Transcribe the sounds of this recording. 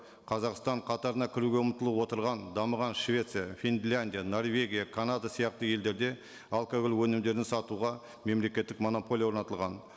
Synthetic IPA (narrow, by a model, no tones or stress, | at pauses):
qʰɑzɑqst̪ɑɴqʰɑt̪ɑɾənɑkʲʰɪɾuɡʲe̞əmt̪əlˠəpwo̞t̪əɾʁɑnd̪ɑməʁɑnʃvʲe̞t̪sɨjafʲind̪lʲanʲd̪ʲijano̞rvʲe̞ɡʲijakʰanad̪asijɑq̚t̪əje̞ld̪e̞ɾd̪e̞ | alˠkaɡolwɵnɪmd̪e̞ɾd̪ɪsɑt̪uʁɑ | me̞mle̞kʲe̞t̪ːɪkmo̞no̞pʰo̞lʲijawo̞ɾnɑt̪əlˠʁɑn